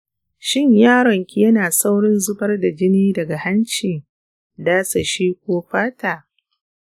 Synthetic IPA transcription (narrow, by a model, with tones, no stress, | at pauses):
ʃɪ˦ɲjaː˦ɽɔ˨ŋkʲi˦jɐ˦naː˨sa˦wɽɪ˦nzʊ˦bɐ˦rda˨d͡ʒɪ˦niː˦dɐ˨ɡa˨ha˦nt͡ʃiː˨ | daː˦sa˨ʃiː˦kʷoː˦ɸaː˦taː˨